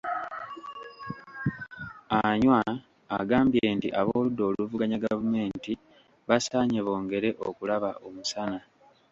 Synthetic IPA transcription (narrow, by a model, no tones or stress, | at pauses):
aɲwaː | ɡaːmbje̞ːntiʔaβo̞ːludːo̞ːluvuɡaɲaɡavume̞ːnti | βasaːɲeβo̞ːŋɡe̞ɾe̞ʔo̰kulaβaʔo̞musana